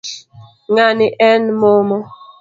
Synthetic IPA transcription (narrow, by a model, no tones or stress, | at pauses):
ŋaniʔɛnmomɔ